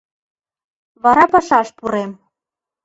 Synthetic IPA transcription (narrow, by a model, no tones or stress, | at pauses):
βɑɾɑpɑʃɑʃpuɾem